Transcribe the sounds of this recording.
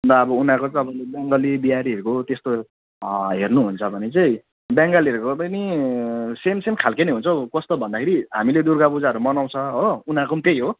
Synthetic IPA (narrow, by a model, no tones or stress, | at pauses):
d̪ʌːbʌunakot͡sʌʌbʌlbjaŋɡʌlibiaɾiɦʌɾukot̪est̪o | ɦernuɦunt͡sʰʌbʱʌnet͡sʌĩ | bjaŋɡʌliʌɾukobʌni | semsemkʰalkenʌɦunt͡sʰʌkʌst̪obʱʌnd̪akʰeɾiɦa̰miled̪urɡabud͡zaɦʌɾumʌnaw̃t͡sʰʌɦounakomt̪ejɦo